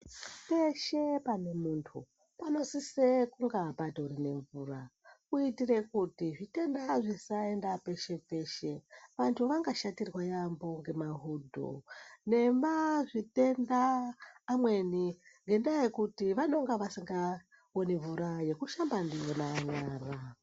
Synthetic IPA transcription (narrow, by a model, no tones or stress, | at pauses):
pe̞ʃe̞pane̞muntʰṵ | pano̞sisekuŋɡabadourine̞ɱvurakuitire̞kutiʐite̞ndaʐisae̞ndape̞ʃe̞pe̞ʃe̞ʋantʰuʋaŋɡaʃatirwajambo̞ŋɡe̞maɦudʱo̰ne̞mʋaʐite̞ndaː | mwe̞niŋɡe̞ndajekutiʋano̞ŋɡaʋasiŋɡa | woneɱvuɾaje̞kuʃambandijo̞naːɲaːra